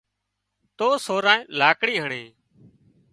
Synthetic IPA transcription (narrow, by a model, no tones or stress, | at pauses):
t̪oːsoːɾãːẽːlaːkɽiːɦəɳeː